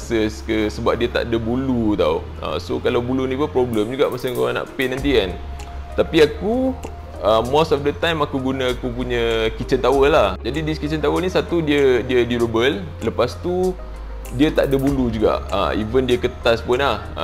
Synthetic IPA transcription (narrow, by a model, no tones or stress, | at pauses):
səskəsəbap̚diət̪a̰ʔdəbulut̪a̰w | a̰sokalawbulunĩpupɾɔbləmd͡ʒuɡaʔmasaŋkoanã̰ʔpenãnt̪ian | t̪apiaku | əmosɔfdət̪ãjmakuɡunãakupuɲə̃kit͡ʃənt̪awəlahd͡ʒadidiskit͡ʃənt̪awəlnisat̪udiədiədiɾubəl | ləpast̪u | diət̪a̰ʔdəbulud͡ʒuɡa̰ʔə̰ḭvəndiəkət̪aspunlah